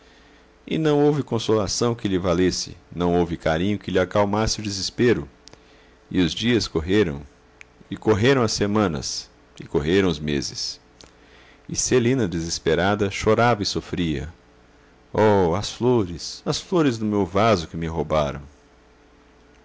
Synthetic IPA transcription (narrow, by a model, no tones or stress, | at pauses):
ɪ̰nɐ̃w̃owvɪkõsolasɐ̃w̃kɪlɪvalesɪ̰nɐ̃w̃owvɪkaɾĩɲʊkɪlɪakawmasɪʊd͡ʒɪzɪspeɾʊ | ɪʊzd͡ʒiɐskoɦeɾɐ̰̃w̃ | ɪkoɦeɾɐ̃w̃ɐsːemɐ̃nɐ̰s | ɪkoɦeɾɐ̃w̃ʊzmḛzɪs | ɪselĩnɐd̪ezɪspeɾad̪ɐʃoɾavɐɪsofɾiɐ̰ | ɔɐsfloɾɪsɐsfloɾɪzd̪ʊmewvazʊkɪmɪɦobaɾɐ̰̃w̃